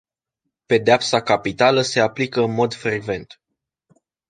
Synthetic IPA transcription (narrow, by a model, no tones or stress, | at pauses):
pe̞d̪eapsakapit̪aləse̞aplikəɨnmo̞d̪fɾeɡve̞nt̪